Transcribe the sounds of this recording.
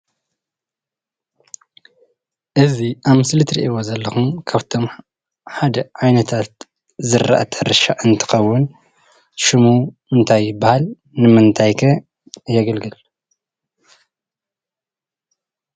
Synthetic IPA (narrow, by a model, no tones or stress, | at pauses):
ʔɨziʔaβmɨslɨt̪ɾḭʔiβozɐlːɐxumkʰaβt̪ʰo̞m | ħad̪ɐʕajnɐt̪ʰat̪ | zɨɾːa̰ʔat̪ʰɨɾɨʃaʔɨnt̪ʰɨ̥xɐwːʊn | ʃɨmumɨnt̪ʰajːɪbahal | nɨmɨnt̪ʰajkʰɐ | jɐɡɐlɡɨl